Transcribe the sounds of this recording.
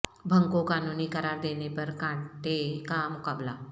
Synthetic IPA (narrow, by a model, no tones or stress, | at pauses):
bʱəŋkokanunikəɾaɾd̪enepəɾkãɳʈ̪ekamukabla